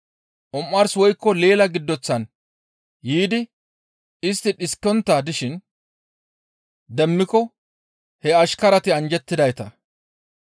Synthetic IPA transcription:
ʔɔmːɐɾswɔjkːɔle̞ːlɐɡɪd̪ːɔt͡sːɐn | jiːd̪ɪ | ɪst̪ːɪᶑɪskːɔnt̪ːɐd̪ɪʃɪn | d̪ɛmːɪkɔ | hɛɐʃkɐɾɐt̪ɪɐnd͡ʒɛt̪ːɪd̪ɐjt̪ɐ

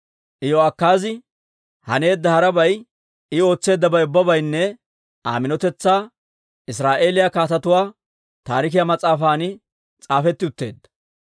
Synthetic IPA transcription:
ʔɪjɔɐkːaːzɪ | hɐne̞ːd̪ːɐhɐɾɐbɐj | ɪo̞ːt͡sːe̞ːd̪ːɐbɐjʊbːɐbɐjnːɛ | ʔa̰ːmɪnɔt̪ɛt͡sːaː | ɪs̬ɾaːʔe̞ːlɪjakaːt̪ɐt̪ʊwaː | t̪aːɾɪk̬ɪjamɐt͡sʼaːfaːnɪ | t͡sʼaːfɛt̪ːɪʊt̪ːe̞̰ːd̪ːɐ̥

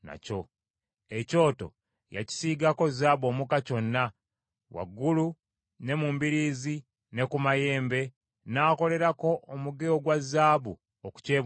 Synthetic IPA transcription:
na̰co̞ | eco̞ːto̞̰ | ja̰ci̥siɡako̞zaːβo̞ːmukaco̞nːa | wa̰ɡːulu | ne̞muːmbiɾiːzi | ne̞kumaje̞ːmbe̞ | naːko̞le̞ɾako̞ʔːmuɡeoɡwazːaːβu | oku̥ce̞ː

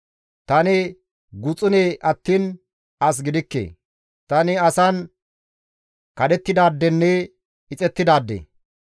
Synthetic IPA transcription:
t̪ɐnɪ | ɡʊt͡sʼʊneːʔɐt̪ːiːn | ɐs̬ɡɪd̪ɪkːḛː | t̪ɐnɪɐsɐn | kɐd̪ɛt̪ːɪd̪aːd̪ːɛnːɛ | ɪt͡sʼɛt̪ːɪd̪aːd̪ːḛː

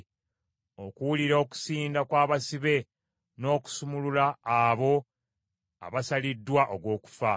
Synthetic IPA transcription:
o̞kuwuliɾoːku̥siːndakwaːβasiβe̞ | no̞ːku̥sumululaːβo̞ | a̰βasalidːwaʔoɡwo̞ːku̥fa

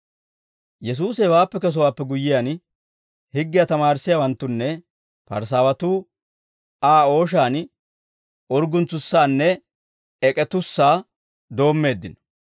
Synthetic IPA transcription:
jɛs̬uːsɛwaːpːɛkɐs̬ɔwaːpːɛɡʊjːɪjaːn | hɪɡːɪjat̪ɐmaːɾɪsːɪjaːwɐnt̪ːʊnːɛ | pɐ̰ɾs̬aːwɐt̪uː | aːo̞ːʃ̬aːn | ɔɾɡʊnt͡sːʊsːaːnːɛ | ɛkʼɛt̪ʊsːaː | d̪o̞ːmːe̞ːd̪ːɪnɔ̥

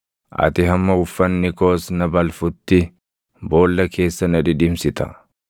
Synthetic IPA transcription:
ʔɐ̰t̪ɪɦɐmːɐʊfːɐnːɪkoːsnɐbɐlfʊt̪ːɪ | bo̞ːlːɐkʰe̞ːsːɐnɐᶑɪᶑɪmsɪt̪ɐ̰

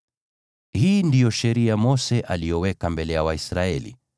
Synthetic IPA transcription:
hiːndijɔʃɛɾiamɔsɛʔalijɔwɛkambɛlɛjawaisɾaɛlḭ

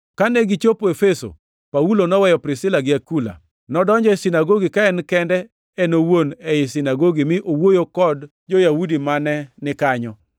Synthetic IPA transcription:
kanɛɡit͡ʃopoefeso̰ | paulonɔwɛjɔpɾɪsɪlaɡɪakula̰ | nɔdɔɲd͡ʒɔɪsinaɡoɡikaɛnkɛndɛ | ɛnowonɛjɪsinaɡoɡimɪʔowojokɔd | d͡ʒojaudimanɛnɪkaɲɔ

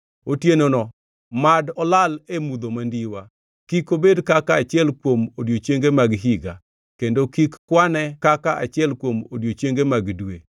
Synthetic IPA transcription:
otjenonɔ | madɔlalemud̪omandiwa | kikobedkakaːt͡ʃɪɛlkwomodjot͡ʃeŋɡemaɡɦiɡa | kendokikːwanɛkakaʔat͡ʃɪɛlkwomodjot͡ʃeŋɡemaɡdwe

